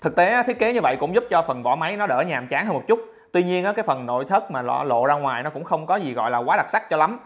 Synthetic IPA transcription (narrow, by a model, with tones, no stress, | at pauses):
t̪ʰɨ˨˩k̚t̪e˨˦aː˨˦t̪ʰi˦˥ək̚ke˨˦ɲɨ˧və̰˧˨jkʊ̰˧˥ŋ͡mzʊ˦˥p̚t͡ɕɔ˧fə˨˩nvɔ̰˧˩ma˨˦jnɔ˨˦ɗəː˧˩ɲaː˨˩mt͡ɕaː˨˦ŋhəː˧mo˨˩t̚t͡ɕʊ˦˥t̚ | t̪wi˧ɲi˧ənʔaː˨˦kaː˨˦jfə˨˩nːo̰˧˨jt̪ʰə˦˥t̚maː˨˩lɔ̰˧˩lo̰˧˨zaː˧ŋwaː˨˩jnɔ˨˦kʊ̰˧˥ŋ͡mxə˧wŋ͡mkɔ˨˦zi˨˩ɣɔ̰˧˨jlaː˨˩kwaː˨˦ɗa˨˩t̚sa˦˥k̚t͡ɕɔ˧la˨˦m